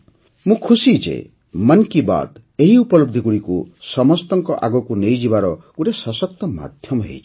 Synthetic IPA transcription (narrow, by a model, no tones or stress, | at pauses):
mũkʰusid͡ʒḛ | mankiba̰d̪ | eɦiupɔloɡ̚d̪ʱikuɽikusɔmɔst̪ɔŋkɔʔa̰ɡɔkunejd͡ʒibaɾɔkuɾesɔsɔk̚t̪ɔma̰d̪ʱjɔmɔɦḛjt͡ʃʰi̥